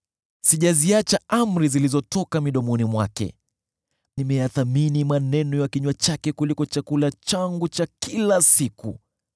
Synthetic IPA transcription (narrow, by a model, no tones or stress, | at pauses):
siʄaziat͡ʃaam̩ɾizilizɔtɔkamiɗɔmɔnimwakɛ̰ | nimɛjaθaminimanɛnɔjakiɲwat͡ʃakɛkulikɔt͡ʃakulat͡ʃaŋɡut͡ʃakilasikṵ